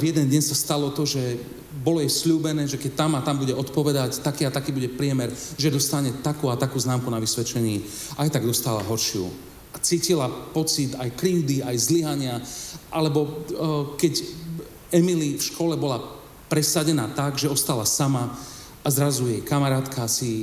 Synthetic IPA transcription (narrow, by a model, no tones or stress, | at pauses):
vjɛd̪ɛnd̪ɲɛnsast̪alɔt̪ɔʒɛ | bɔlɔjɛsʎuːbɛnɛːʒɛkɛc̚t̪amat̪ambuɟɛɔt̪pɔʋɛd̪act̪akiːat̪akiːbuɟɛpɾɪɛmɛɾʒɛd̪ɔst̪aɲɛt̪akuːat̪akuːznaːmkunaʋisʋɛt͡ʃɛɲiː | ajt̪aɡd̪ɔst̪aːla̰ɦɔɾʃɪṵ | at͡siːcilapɔt͡sit̪ajkɾiʊd̪iajzliɦaɲɪaʔalɛbɔkɛc | ɛmilifʃkɔlɛbɔla | pɾɛsaɟɛnaːt̪aɡʒɛɔst̪alasama | azɾazujɛjkamaɾaːt̪kʰasi